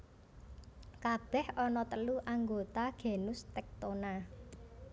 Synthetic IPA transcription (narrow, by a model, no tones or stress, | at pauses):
kab̥ɛhɔnɔt̪əluʔaŋɡot̪aɡ̥e̤nʊst̪ɛk̚t̪ona